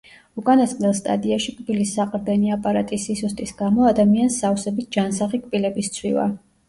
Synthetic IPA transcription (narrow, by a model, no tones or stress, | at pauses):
ukʼanasʼqʼnɛlˠst̪ʼa̰d̪iaʃikʼbilisːaqʼɾd̪ɛniapʼaɾat̪ʼisisust̪ʼisɡamɔad̪amiansːafsɛbit̪̚ʰd͡ʒansaχikʼpilɛbist̪sʰwḭva̰